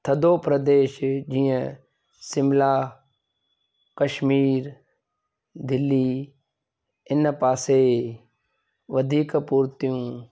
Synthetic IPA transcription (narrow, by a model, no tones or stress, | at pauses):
t̪ʰəd̪oːpɾəd̪eːʃd͡ʒĩːə̃ | sɪmlaː | kəʃmiːɾ | d̪ɪlːiː | ɪnpaːseː | ʋəd̪ʱiːkpuːɾt̪ijũː